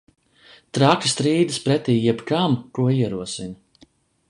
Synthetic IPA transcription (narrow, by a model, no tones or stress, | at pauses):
t̪ɾakist̪ɾiːd̪ɨspɾɛt̪iːjɛbkamkuɔiɛɾuɔsinɐ